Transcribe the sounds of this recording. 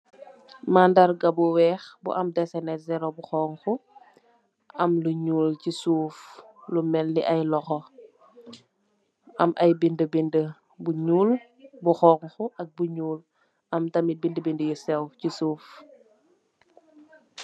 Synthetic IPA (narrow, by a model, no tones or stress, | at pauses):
mandɐɾɡɐbuwɛːxbṵʔɐmdɛsɛnɛzɛɾobuxɔːŋxu | ʔɐmluɲuːlcisuːflumɛlːiʔɐjlɔxɔ | ɐmʔɐjbindəbində | buɲuːl | buxɔːŋxuʔɐk̚buɲuːl | ɐmtɐmibindəbindəjusɛwcisuːf